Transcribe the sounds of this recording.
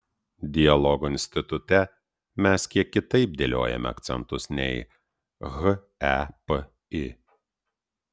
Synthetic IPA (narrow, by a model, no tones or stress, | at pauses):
d̪ʲɪjɐlˠɔɡʊɪnʲsʲt̪ʲɪt̪ʊt̪ʲɛ | mʲɛskʲiɛkʲːɪt̪ɐɪp̚d̪ʲelʲo̰ːjɛ̰mʲɛ̰ɐ̰kt̪sʲɛ̰nt̪ʊsnʲɛ̰ɪ | ɣ | ɛp | ɪ